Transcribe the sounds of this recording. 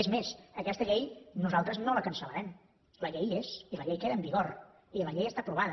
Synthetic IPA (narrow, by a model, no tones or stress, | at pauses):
ezmesəkɛst̪əʎejnuzalˠt̪ɾəznoləkənsələɾɛm | ləʎejeziləʎejkeðəmbiɣoɾ | iləʎejəst̪apɾuβ̞aðə